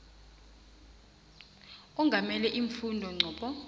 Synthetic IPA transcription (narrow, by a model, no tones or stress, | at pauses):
ɔŋɡʱamɛlɛʔiɱfundʱɔŋ͡ǀʱɔːɓɔ